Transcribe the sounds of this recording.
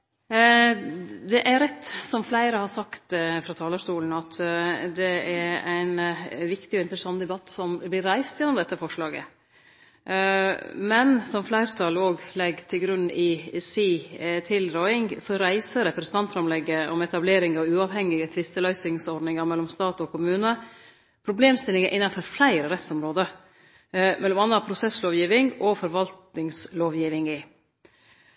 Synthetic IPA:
d̪ɛʔæɾɾɛt̪ːsɔmflæɪɾəhɑɾsɑkt̪fɾɑːt̪ʰɑːləʂtuːln̩ɑt̪d̪ɛæɾæɪnʋɪkt̪ɪɔɪnt̪əɾəsɑnːd̪ɛbɑt̪ːsɔmblɪɾːæɪst̪jɛnːɔmd̪ɛt̪ːəfɔʂɭɑːɡə̰ | mɛnsɔmflæɪɾt̪ʰɑloːɡlɛɡt̪ʰɪlɡɾʉnːɪsiːt̪ʰɪlɾɔɪŋsɔɾæɪsəɾɛpɾɛst̪ɑnt̪fɾɑmlɛɡːəɔmɛt̪ɑbleːɾɪŋɑʋʉːɑʋɦɛŋɪɡət̪ʰʋɪst̪əlœʏsɪŋsɔɾɖnɪŋɑɾmɛlːɔmst̪ɑːt̪ɔkʰʊmʉːnə | pʰɾʊbleːmst̪ɪlɪŋəʔɪnːɑfɔɾflæɪɾəɾɛt̪sɔmɾoːd̪ə | mɛlːɔmɑnːɑpʰɾʊsɛsloːʋjiːʋɪŋɔfɔɾʋɑlt̪nɪŋsloːʋjiːʋɪŋɪ

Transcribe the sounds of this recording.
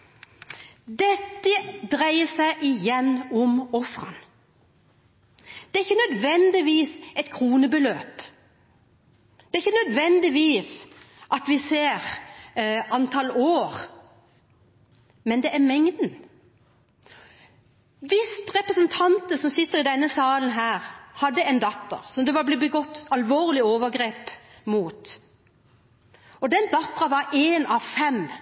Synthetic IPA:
d̪ɛt̪ːəd̪ɾæɪəsæɪʔɪjɛnːɔmɔfʁɑ̰n | d̪̥ɛæɾɪçːənœd̪ʋɛnd̪ɪʋiːsɛt̪kʰʁuːnəbəløːp | d̪̥ɛæɾɪçːənœd̪ʋɛnd̪ɪʋiːs | ʔɑt̪ʋɪseːʁ | ɑnt̪ʰɑloːʁ | mɛnd̪ɛʔæɾmɛŋd̪n̩ | ʋɪst̪ɾɛpɾəsənt̪ʰɑnt̪əsɔmsɪt̪ːəɾɪd̪ɛnːəsɑːlənɦæːɾhɑd̪ːəɛnd̪ɑt̪ːə̰ɾsɔmd̪ɛʋɑblɪbəɡɔt̪ːɑlʋoːʁlɪoːʋəɾɡɾeːp | muːt̪ | ɔd̪ɛnd̪ɑt̪ːɑʋɑɾeːnɑʋfɛm

